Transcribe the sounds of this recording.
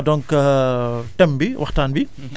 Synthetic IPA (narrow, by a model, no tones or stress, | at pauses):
dɔŋkəʈɛmbiwɐxtaːnbi